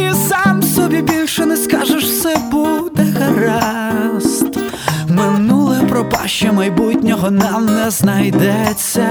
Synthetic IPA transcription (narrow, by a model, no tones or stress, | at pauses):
isɑmsɔbʲibʲilʲʃɔnɛskɑʒɛʃsɛbud̪ɛɣɐɾɑ | st̪ | mɪnulˠɛpɾɔpɑʃt͡ʃɐmɐjbutʲnʲɔɦɔnɑmnɛznɐjd̪ɛt͡sʲːɐ